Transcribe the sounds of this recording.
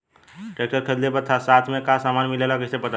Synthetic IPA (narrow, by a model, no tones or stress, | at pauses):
ʈɾek̚ʈəɾkʰəd̪lepəɾt̪ʰasat̪ʰmekasamanmilelakəsepət̪a